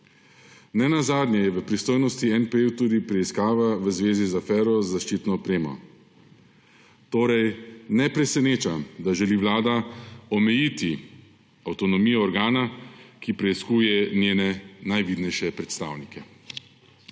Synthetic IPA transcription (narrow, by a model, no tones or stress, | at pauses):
nɛnazaːd̪nʲjɛjɛʋəpɾist̪oːjnɔst̪iɛnpewt̪uːd̪ipɾɛiskaːʋaʋəzʋeːzizafɛːɾɔzaʃt͡ʃiːt̪nɔɔpɾeːmɔ̰ | t̪oːɾɛjnɛpɾɛsɛneːt͡ʃad̪aʒɛliʋlaːd̪aɔmɛjiːt̪i | awt̪ɔnɔmiːjɔːɾɡaːnakipɾɛiskuːjɛnjeːnɛnajʋid̪nɛjʃɛpɾɛt̪st̪a̰ːwnikɛ